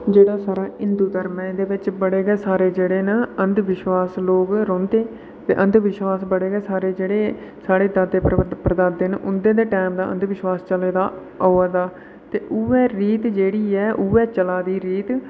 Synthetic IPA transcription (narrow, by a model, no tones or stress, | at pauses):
d͡ʒeːɽaːsaːɾaːɪnd̪uːd̪əɾmɛ̃d̪eːʋɪt͡ʃbəɽeːɡɛːsaːɾeːd͡ʒeːɽeːnaənd̪ʋɪʃwaːsloːkɾõːnd̪eː | t̪ḛːʔə̃nd̪ʋɪʃwaːsbəɽeːɡɛːsaːɾeːd͡ʒeːɽeː | saːɽeːd̪ad̪eːpɾəd̪aːd̪enʔʊnd̪ẽːd̪eːʈɛːmd̪aːʔə̰nd̪ʋɪʃwaːst͡ʃəleːd̪aː | oːaːd̪aː | t̪eːʔʊːɛːɾiːt̪d͡ʒeːɽiːɛːʔʊːɛːt͡ʃəlaːd̪iːɾiːt̪